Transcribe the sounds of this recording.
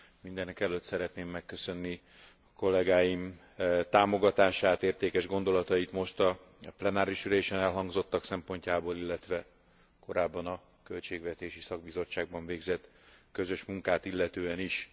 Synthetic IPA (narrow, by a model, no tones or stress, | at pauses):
mind̪ɛnɛkɛløːt̪sɛɾɛt̪neːmːɛkːø̞sø̞nːi | ɒko̞lːɛɡaːjim | t̪aːmo̞ɡɒt̪aːʃaːt̪eːrt̪eːkɛʒɡo̞nd̪o̞lɒt̪ɒjit̪mo̞ʃt̪ɒ | plɛnaːɾiʃyleːʃɛnɛlɦɒŋɡzo̞t̪ːɒksɛmpo̞ɲcaːboːlilːɛt̪ʋɛ | ko̞ɾaːbːɒnɒ | kø̞lt͡ʃeːɡʋɛt̪eːʃisɒɡ̚bizo̞t͡ʃːaːɡ̚bɒɱveːɡzɛt̪kø̞zø̞ʃmuŋkaːt̪ilːɛt̪øːɛniʃ